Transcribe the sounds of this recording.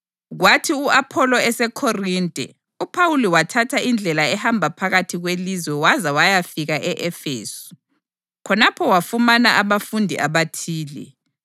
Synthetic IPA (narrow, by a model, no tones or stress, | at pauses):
ɣwatʰiuapʰɔlɔɛsɛkʰoriːntʼɛ̰ | upʰauliwatʰatʰaʔind͡ɮʱɛlaɛhambʱapʰaɣatʰiɣwelizwɛwazawajafiɣaʔɛʔɛfḛːsu̥ | kʰɔnapʰɔwafumanaʔaβafundʱḭʔaβatʰiːlɛ̰